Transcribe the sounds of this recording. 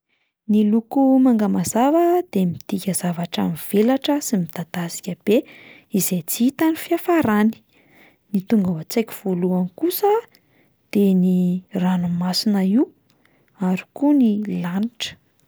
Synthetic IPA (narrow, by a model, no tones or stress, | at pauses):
nilukumaŋɡamazavəd̪̥emit̪ikʲəzavaʈ͡ʂa̰miv̥elaʈ͡ʂəsimid̪̥ad̪̥asi̥kʲəb̥e | izet͡siit̪anifiafaɾani̥ | nit̪uŋɡawat͡sejkʲi̥v̥oluankusə | d̪̥eniranumasinəiw | aɾi̥kunilaniʈ͡ʂə̥